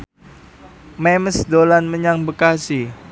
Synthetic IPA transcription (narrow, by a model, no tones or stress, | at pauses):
mɛməsdolanməɲaŋbəkasi